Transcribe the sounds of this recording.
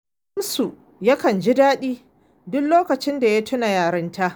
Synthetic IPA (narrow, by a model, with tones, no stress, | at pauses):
ɐ˦msu˨ | ja˦kɐ˨nd͡ʒi˦daː˦ɗiː˦ | dʊ˦kloː˦kɐ˨t͡ʃɪ˦nda˨ja˦tʰʊ˦na˨jaː˨ɾɐ˦nta˦ʔ